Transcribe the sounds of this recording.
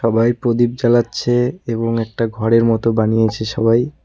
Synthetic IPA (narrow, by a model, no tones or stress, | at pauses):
ʃɔbajpɾod̪ip̚d͡ʑalatːɕʰeeboŋɛk̚ʈaɡʱɔɾeɾmɔt̪obanijet͡ɕʰeʃɔbaj